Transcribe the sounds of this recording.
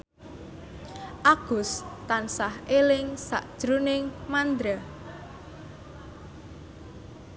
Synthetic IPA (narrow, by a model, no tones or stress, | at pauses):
ʔaɡ̥ʊst̪ansahelɪŋsa̰ʔd̥ʒ̥ɾunɪŋmand̪ɾa